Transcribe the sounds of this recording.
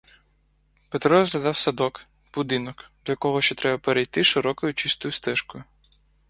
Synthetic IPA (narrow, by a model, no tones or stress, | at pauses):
pet̪ɾɔzɦlʲɐd̪ɑwsɐd̪ɔk | b̥ud̪ɪnɔkd̪ɔjɐkɔɦɔʃt͡ʃɔt̪ɾɛbɐpeɾejt̪ɪʃɪɾɔkɔjʊt͡ʃist̪ɔjʊst̪ɛʃkɔjʊ